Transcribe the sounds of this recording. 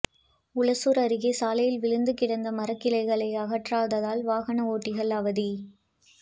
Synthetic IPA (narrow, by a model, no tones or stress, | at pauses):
ʊɭɐsuːɾɐɾɯɣeːsaːlɐjɪlʋɪɻɯnd̪ɯkɪɽɐnd̪ɐmɐɾɐkːɪlɐɪɣɐɭɐɪɐɣɐʈraːðɐðaːlʋaːɣɐnɐoːʈːɪɣɐɭɐʋɐði